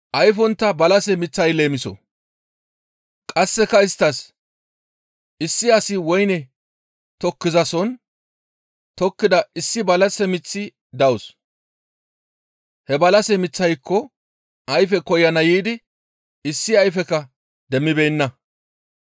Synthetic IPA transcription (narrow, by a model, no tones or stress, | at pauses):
ʔɐjfɔnt̪ːɐbɐlɐsɛmɪt͡sːɐjle̞ːmɪsɔ̰ | kʼɐsːɛkɐɪst̪ːɐs | ɪsːɪɐsɪwɔjnɛ | t̪ɔkːɪzɐsɔn | t̪ɔkːɪd̪ɐɪsːɪbɐlɐsɛmɪt͡sːɪ | d̪ɐwʊs | hɛbɐlɐsɛmɪt͡sːɐjkʰːɔ | ʔɐjfɛkɔjːɐnɐjiːd̪ɪ | ɪsːɪɐjfɛkɐ | d̪ɛmːɪbeːnːɐ